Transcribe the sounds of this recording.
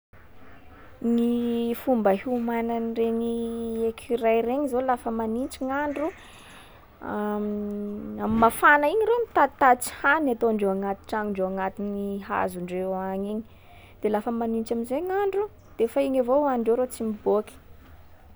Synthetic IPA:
ŋifumbəɦumananreɲiekʰirajreɲizolafəmanint͡ʃiŋaɳɖ͡ʐu | am | ammafanaiɲiɾemit̪at̪at͡si̥hanat̪oaɳɖ͡ʐewaŋat̪i̥ʈ͡ʂaŋiɳɖ͡ʐewaŋat̪iniɦa̰zuɳɖ͡ʐewaɲiɲi | d̪̥elafəmanint͡ʃaminzeŋaɳɖ͡ʐu | d̪̥efaiɲavoaɳɖ͡ʐeɾot͡simibokʲi̥

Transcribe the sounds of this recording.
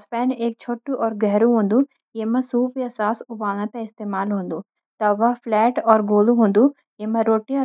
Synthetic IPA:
spɛːneːk̚t͡ʃʰoʈːuʔɔːɾɡɐɦɾuɦond̪u | emɐsuːpjɐsaːsubaːnɐt̪ɐist̪eːmaːlɦond̪u | t̪ɐʋapʰlɛːʈɔːɾɡoːluɦond̪u | emːɐɾoːʈːiɔ

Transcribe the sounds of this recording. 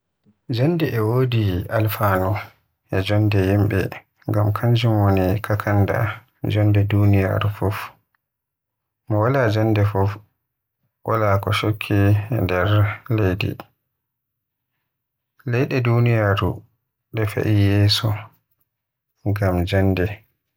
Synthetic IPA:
d͡ʒandɛʔɛwodialfanɔ | ʔɛd͡ʒɔndɛhimɓɛ̰ | ŋɡamkʰaɲd͡ʒumwonikʰakʰanda̰ | d͡ʒɔndɛdunija̰ɾufɔf | mɔwalad͡ʒandɛfɔf | ʔa̰lakɔʃokʰːindɛɾlejdɛ̰ | lɛjɗɛdunijaɾṵ | ɓɛfa̰ʔijɛːsɔ | ŋɡamd͡ʒɔndɛ

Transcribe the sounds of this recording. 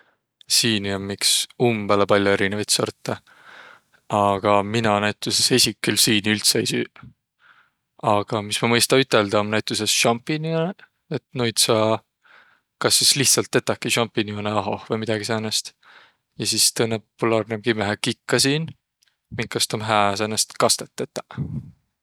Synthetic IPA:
siːniommiksumb̥ælepɑlʲjoe̞ɾinevɑjt̪sort̪ːe | ɑɡ̥ɑminɑnæjt̪ːˑuse̞sesʲikːylsiːnylt̪seeijsyː | ɑɡ̥ɑmismɑmɤjst̪ɑyt̪ːˑe̞ld̪̥ɑomnæjt̪ːˑuse̞sʃɑmpːinione | et̪nujd̪sɑ | kɑsːisliht̪sɑlt̪ːe̞t̪ːˑɑkːiʃɑmpːinioneɑɦo̞̰hvɤjmid̪̥ɑɡ̥isenːest̪ | jɑsist̪ɤnːeppulɑːrnemɡ̥imæɦækikːɑsiːn | miŋkːɑst̪omɦæːs̬enːest̪kɑst̪e̞t̪ːˑet̪ːˑɑ

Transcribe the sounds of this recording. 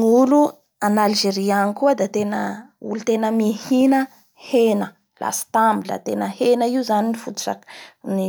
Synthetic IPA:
ŋulu | analʒeɾianikuəd̪at̪enəṵlut̪enəmihinə | henə | la̰sə̥t̪ambilə̰t̪enəhenəiuzaninifut̪u̥t͡ʃa̰kni

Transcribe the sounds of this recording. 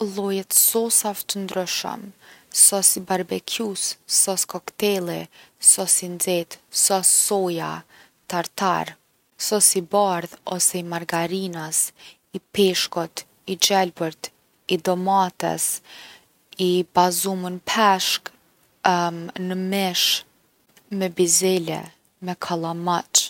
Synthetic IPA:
lˠɔjɛt̪sɔsavt̪ənd̪ɾyʃə̰msɔsibaɾbɛkʰjusːɔskɔkt̪ɛlˠisɔsind͡zɛt̪sɔsːɔja | t̪aɾt̪a̰ɾ | sɔsibaɾðɔsɛimaɾɡaɾinas | ipɛʃkɔt̪ | id͡ʒɛlbəɾt̪ | id̪ɔmat̪ɛ̰s | ibazumənpʰɛʃk | nəmɛʃ | mɛbizɛlɛ̰ | mɛkʰalˠamat͡ʃ

